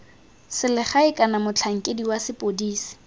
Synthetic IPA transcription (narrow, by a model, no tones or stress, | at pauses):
sɪlɪχaɪkʼanamʊt͡ɬʰaŋ̩kʼediwasɪpʼodiːsi̥